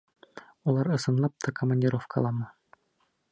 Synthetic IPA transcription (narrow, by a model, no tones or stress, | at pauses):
ulˠɑɾɤ̆sɤ̆nlˠɑp̚t̪ʰɑkəmanʲdʲiɾofkɑ̰lˠɑmɤ